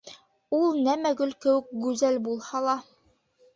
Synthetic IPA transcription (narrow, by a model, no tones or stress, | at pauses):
ulˠnæmæɡɵlkɘ̆wɘ̆k̚ɡʉzælbulˠhɑlˠɑ